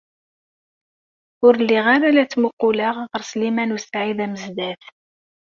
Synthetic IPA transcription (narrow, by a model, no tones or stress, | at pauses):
ʊɾlːiʁaɾalæt͡sːmuqːʊlaʁʁəɾslimænusʕiðæməzd̪æθ